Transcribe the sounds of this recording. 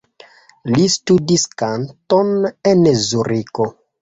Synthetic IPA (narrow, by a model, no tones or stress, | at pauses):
listudiskantonenzuɾiko